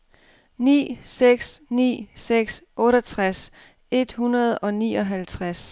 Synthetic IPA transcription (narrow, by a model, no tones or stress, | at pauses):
nḭːseɡ̥snḭːseɡ̥sʔɔ̽ːɾɐt͡sʰʁas | e̝d̥hunɐð̞̩ˠɒ̽nḭːɒ̽ɦælt͡sʰʁas